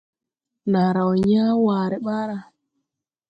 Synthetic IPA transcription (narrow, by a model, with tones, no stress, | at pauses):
na˨ɾa˨wɲa˦waː˨ɾɛ˨ɓa˦ɾa˨